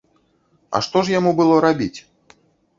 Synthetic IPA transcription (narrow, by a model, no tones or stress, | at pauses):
ɐ̰ʂt̪ɔʐjamubɨlˠɔɾabʲit͡sʲ